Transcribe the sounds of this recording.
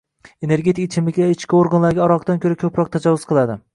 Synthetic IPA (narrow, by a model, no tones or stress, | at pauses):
e̞ne̞ɾɡʲe̞t̪ʰikɪt͡ʃʰɪmlɪkʲaɪt͡ʃkʲɪoɾɡanlaɾɡʲaɒɾɒqt̪ankʲʰɵɾakʲʰɵpɾɒq̚t̪ʰad͡ʒɒvːʊzqʰɨlˠad̪ɪ